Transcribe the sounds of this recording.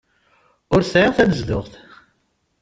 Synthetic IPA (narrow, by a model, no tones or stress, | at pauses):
ʊɾsʕɪʁθænəzðʊ̰ʁθ